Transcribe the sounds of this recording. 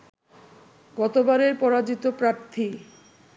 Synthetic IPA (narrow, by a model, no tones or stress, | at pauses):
ɡɔt̪obaɾeɾpɔɾad͡ʑit̪opɾaɾt̪ʰi